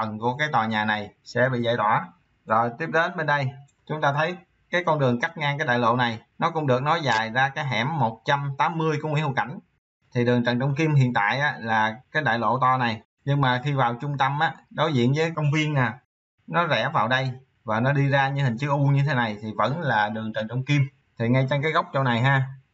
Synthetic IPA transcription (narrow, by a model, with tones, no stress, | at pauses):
ə˨˩nku˧˩əkaː˨˦jt̪waː˨˩ɲaː˨˩na˨˩jsɛ̰˧˥ɓḭ˧˨za̰˧˨jt̪wa̰ː˧˩ | zo˨˩jt̪i˦˥p̚ɗe˨˦nɓe˧nɗə˧j | t͡ɕʊ˨˦ŋ͡mt̪aː˧t̪ʰə˨˦j | kaː˨˦jkɔ˧nɗɨ˨˩əŋka˦˥t̚ŋaː˧ŋkaː˨˦j̚ɗa̰ː˧˨jlo̰˧˨na˨˩jnɔ˨˦kʊ̰˧˥ŋ͡mɗɨ˨˩ək̚nɔ˨˦zaː˨˩jzaː˧kaː˨˦jɦɛ̰ː˧˩mːo˨˩t̚t͡ɕa˧mt̪aː˨˦mːɨ˧əjkʊ̰˧˥ŋ͡mwi˧˥˦hu˧˩ka˧˩jŋ̟ | t̪ʰi˨˩ɗɨ˨˩əŋt͡ɕə˨˩nt͡ɕɔ˧wŋ͡mki˧mhḭ˧˨ənt̪a̰ː˧˨jʔaː˨˦laː˨˩kaː˨˦jɗa̰ː˧˨jlo̰˧˨t̪ɔ˧na˨˩j | ɲɨ˧ŋmaː˨˩xi˧vaː˨˩wt͡ɕʊ˧ŋ͡mt̪ə˧mʔaː˨˦ɗo˨˦jzḭ˧˨ənvəː˨˦kə˧wŋ͡mvi˧ənːaː˨˩ | nɔ˨˦zɛ˧˩˥vaː˨˩wɗə˧j | vaː˨˩nɔ˨˦ɗi˧zaː˧ɲɨ̰˧˥hï˨˩ŋ̟t͡ɕɨ˦˥k̚ʔu˧ɲɨ˧t̪ʰe˨˦na˨˩jt̪ʰi˨˩və̰˧˥nlaː˨˩ɗɨ˨˩əŋt͡ɕə̰˨˩nt͡ɕɔ˧wŋ͡mki˧m | t̪ʰi˨˩ŋa˧jt͡ɕŋkaː˨˦jɣa˦˥wk͡p̚t͡ɕə˧wna˨˩jɦaː˧